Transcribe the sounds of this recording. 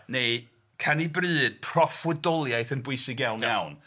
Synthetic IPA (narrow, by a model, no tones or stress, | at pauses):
nej | kʰanibrɨːd̥pʰr̥ɔfwədɔlˠjajθənbwʊɨsɪɡjawnjawn